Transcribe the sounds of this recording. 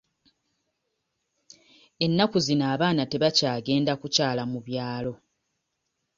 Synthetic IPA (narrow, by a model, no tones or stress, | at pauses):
e̞nːakuzinaːβaːnate̞βacaːɡe̞ːndakucaːlamuβjaːlo̞